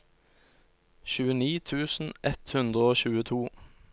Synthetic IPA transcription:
çʉːəniːt̪ʰʉːsn̩ʔɛt̪hʉnd̪ʁəoːɕʉːət̪ʰuː

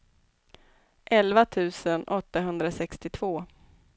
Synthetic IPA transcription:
ʔɛlvat̪ʰʉ̟ːsənʔɔt̪ːaɦɵnd̪ɾasɛkst̪ɪt̪ʰv̥oː

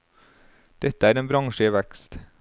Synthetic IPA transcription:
d̪̥ɛt̪əæːɾeːnbɾɑŋʃəʋækst̪

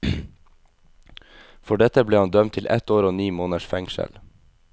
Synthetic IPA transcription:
fɔɖɛt̪əbleːhɑnd̪œmt̪ʰɪlʔɛ̰t̪oːɾoːniːmoːnəʃfɛŋʃə̰l

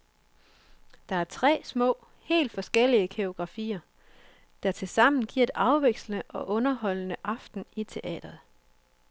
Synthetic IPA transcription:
d̥ɑ̈æɐt͡sʰʁɛ̰ːsmɔ̰̽ː | he̝̰ːld̥fɒ̽sɡ̥el̰iəkʰeo̝ɡ̥ʁɑ̈fḭːɐ | d̥ɑ̈t͡sʰe̝lsɑ̈m̰n̩ɡ̥iɐ̰e̝d̥ɑ̈ʊʋeɡ̥sl̩ənəʔɒ̽ʔɔ̽nɐɦɒ̽l̰nəʔɑ̈fd̥n̩it͡sʰe̝ʔɛ̰ːd̥ɐð̩ˠ

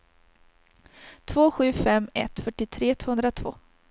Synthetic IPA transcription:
t̪ʰvoːɧʉ̟ːfɛmːɛ̰t̪fœʈːɪt̪ʰɾeːt̪ʰv̥oːhɵnd̪ɾat̪ʰvo̰ː

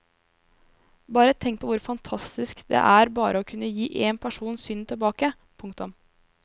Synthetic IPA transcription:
bɑːɾət̪ʰɛŋk̚pʰɔʋʊɾfɑnt̪ʰɑst̪ɪskd̪ɛ̰ʔæːɾbɑːɾʔəoːkʰʉnːəjiːʔeːnpʰæʂuːnsʏnt̪ʰɪlbɑːkə | pʰʊŋkt̪ɑɔm

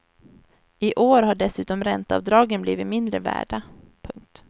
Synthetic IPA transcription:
ɪʔoːɾɦaɖɛsʉ̟ːt̪ɔmɾɛnt̪aa̰vd̪ɾɑːɡənbliːvɪt̪mɪnd̪ɾəvæ̰ːɖa | pʰɵŋk̚t̪

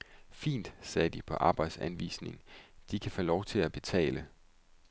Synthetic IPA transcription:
fḭːnd̥sɛːd̥ipʰɒ̽ʔɑ̈ːb̥ɑ̈ɪd̥sænʋḭːsne̝ŋd̥ikʰæfɒlɒʊt͡sʰe̝æb̥e̝t͡sʰɛ̰ːlə

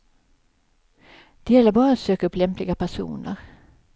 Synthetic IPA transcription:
d̪̥ɛjɛlːəɾbɑːɾaat̪søːkaɵpːlɛmplɪɡapʰæʂṵːnə̰ɾ

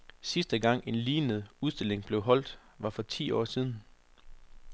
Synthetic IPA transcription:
sisd̥əɡ̥ɑ̈ŋ̰e̝nliːnəð̩ˠuðˠsd̥e̝le̝ŋb̥le̝ʊɦɒ̽l̰d̥ʋɑ̈fɒ̽t͡sʰḭːɒ̰ːsiːð̞ˠn̩

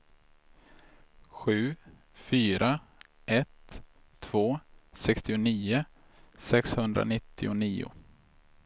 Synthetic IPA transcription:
ɧʉ̟ː | fyːɾa | ʔɛt̪ʰː | v̥oːsɛkst̪ɪʊniːʊ | sɛkshɵnd̪ɾa̰nɪt̪ʰːɪʊniːʊ̰

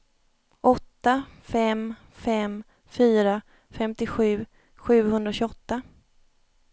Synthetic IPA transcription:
ʔɔt̪ːafɛm | fɛm | fyːɾa | fɛmt̪ɪɧʉ̟ː | ɧʉ̟ːɦɵnd̪ɾaɕʏɔt̪ːa

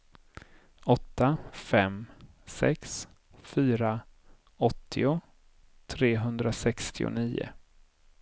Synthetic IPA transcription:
ɔt̪ːafɛm | sɛ̰ks | fyːɾa | ɔt̪ʰːɪʊ | t̪ʰɾeːɦɵnd̪ɾasɛkst̪ʰɪʊ̰niːʊ̰

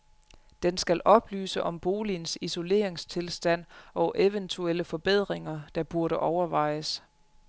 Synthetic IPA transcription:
d̥ensɡ̥ælʔɒ̽b̥ly̰ːsəʔɒ̽mb̥o̝ːlinsiso̝le̝̰ːɐeŋst͡sʰe̝lsd̥æn̰ɒ̽ʔeʋənt͡sʰuel̰əfɒ̽b̥e̝ð̞̰ˠʁeŋɐd̥ɑ̈b̥uɐɾəʔɒʊɐʋɑ̈ɪ̰əs

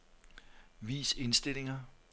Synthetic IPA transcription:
ʋḭːse̝nsd̥e̝le̝ŋɐ

